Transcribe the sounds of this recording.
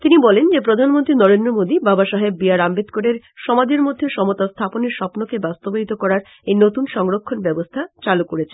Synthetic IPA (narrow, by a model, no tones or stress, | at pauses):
t̪inibɔlend͡ʑepɾod̪ʱanmont̪ɾinɔɾend̪ɾomod̪ibabaʃaɦebːiaɾambed̪koɖeɾ | ʃɔmad͡ʑeɾmod̪ʱːeʃɔmot̪ast̪ʰaponeɾʃɔpnokebast̪oboɦit̪okɔɾaɾ | ejnot̪unʃɔŋɾokʰːonbɛbost̪ʰat͡ɕalukoɾet͡ɕʰen